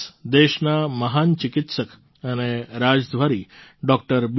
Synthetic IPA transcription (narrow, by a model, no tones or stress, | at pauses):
d̪eʃnaməɦant͡ʃɪkɪt̪sək | əneɾad͡ʒd̪ʱʋaɾiɖɔk̚ʈəɾb